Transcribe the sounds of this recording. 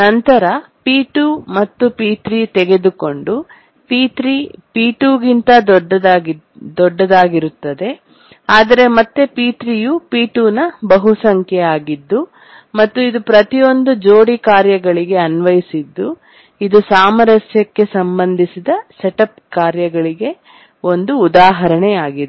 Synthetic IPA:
nɐnt̪ɐɾɐpiːʈumɐt̪ːupiːʈɾit̪ɛɡe̞d̪uko̞ɳɖu | piːtɾipiːʈuːɡint̪ɐd̪ɖɐd̪ | d̪ɔɖːɐd̪aːɡiɾut̪ːɐd̪e̞ | aːd̪ɐɾe̞mɐt̪ːepiːʈ̪ɾijupiːʈuːnɐbɐɦusɐŋkʰjɛaːɡid̪ːu | mɐt̪ːuid̪upɾɐt̪ijo̞nd̪ud͡ʒoːɽikaːɾjɐɡɐɭiɡe̞ɐnʋɐjisid̪ːu | id̪usaːmɐɾɐsjɐkːe̞sɐmbɐnd̪ʱisid̪ɐseʈɐp̚kaːɾjɐɡɐɭiɡe̞ | o̞nd̪uːd̪aːɦɐɾɐɳeaːɡid̪

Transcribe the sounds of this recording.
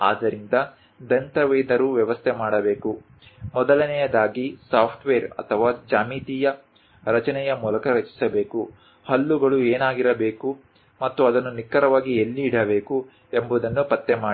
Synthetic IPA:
a̰ːd̪ɐɾind̪ɐ | d̪ɐnt̪ɐʋeːd̪ɐɾuʋjɐʋɐst̪ʰɛmaːɽɐbe̞ːku | mɔd̪ɐlɐnɛjɐd̪aːɡisaːpʰʈʋeːɾɐ̰t̪ʰɐʋaːd͡ʒaːmiːt̪ijɐ | ɾɐt͡ʃɐnɛjɐmuːlɐkɐɾɐt͡ʃi̥sɐbe̞ːku | hɐlːuɡɐɭueːnaːɡiɾɐbe̞ːku | mɐt̪ːuɐd̪ɐnːunikːɐɾɐʋaːɡielːiːɽɐbe̞ːku | embud̪ɐnːupɐt̪ːemaːi

